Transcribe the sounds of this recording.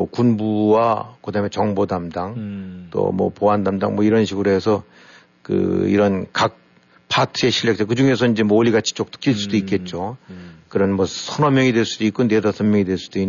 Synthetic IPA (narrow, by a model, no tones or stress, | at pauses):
kunbuwakɯdamet͡ɕʌŋbodamdaŋt͈o̰mʌ̰poandamdaŋmʌiɾʌnɕʰiɡɯɾoɦe̞sʰʌ | kɯ̰ḭɾʌnkak̚ | pʰatʰɯe̞ɕʰiʎːek̚t͈ʰekɯd͡ʑuŋe̞sʰʌind͡ʑe̞mwʌoʎːiɡat͡ɕʰi̥t͡ɕ͈ok̚t͈ɯ̥k͈iɭs͈udoik͈e̞t̚t͡ɕ͈okɯɾʌnmʌsʰʌnʌmjʌŋidwe̞ɭs͈udoik͈unnedasʰʌmjʌŋidwe̞ɭs͈ud̥oi